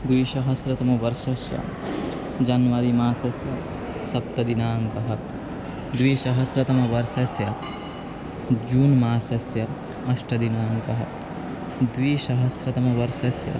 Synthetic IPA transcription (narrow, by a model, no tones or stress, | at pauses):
d̪wiːʃɐɦɐsɾɐt̪ɐmɐʋɐɾʃɐsjɐ̰ | d͡ʒɐnʋɐɾimaːsɐsjɐ | sɐp̚t̪ɐd̪inaːŋkɐɦɐt̪ | d̪ʋiːʃɐɦɐsɾɐt̪ɐmɐʋɐɾsɐsjɐ | d͡ʒuːnmaːsɐsjɐ | ɐʂʈɐd̪inaːŋkɐɦɐt̪ | d̪ʋiːʃɐɦɐsɾɐt̪ɐmɐʋɐɾʃɐsjɐ̰